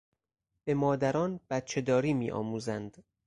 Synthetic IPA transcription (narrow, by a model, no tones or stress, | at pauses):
b̥e̞mɒːd̪æɾɒːnb̥æt̪̚t͡ʃʰe̞d̪ɒːɾiːmiːʔɒ̰ːmuːzænd̪